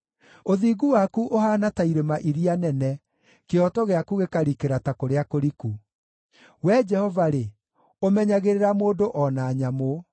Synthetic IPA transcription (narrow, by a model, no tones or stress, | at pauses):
oðiːɡuwakuʔoɦaːnataiɾemaʔiɾianɛnɛ | keɔtɔɣeakuɣekaɾikeɾatakoɾeakoɾiku | wɛd͡ʒɛhɔvaɾe | omɛɲaɣeɾeɾamoːdoʔɔnaɲamo